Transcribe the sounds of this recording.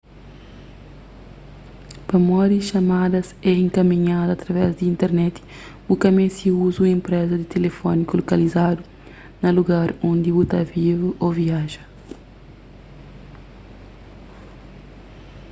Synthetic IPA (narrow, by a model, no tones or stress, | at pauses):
pɐmɔdisʃɐmad̪ɐsɛẽŋkɐmiɲad̪uɐt̪ɾɐvɛzd̪iĩnt̪eɾnɛt̪i̥ | ukɐmesiuzuɐẽmpɾɛzɐd̪it̪elefɔnikulokɐlizad̪u | nɐluɡaɾõnd̪ibut̪ɐvivuʔoviaʒɐ